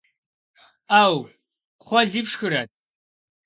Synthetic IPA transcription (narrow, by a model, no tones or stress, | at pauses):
aːw | χʷɔɮɨpʂxɨɾɐt̚ʰ